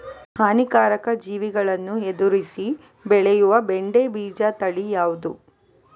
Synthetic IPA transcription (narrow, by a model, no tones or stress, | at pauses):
kaːnikaːɾɐkɐd͡ʒiːʋiɡɐɭɐnːued̪uɾisi | bɛɭɛjuʋɐbeɳɖebiːd͡ʒat̪ɐɭijaːʋud̪u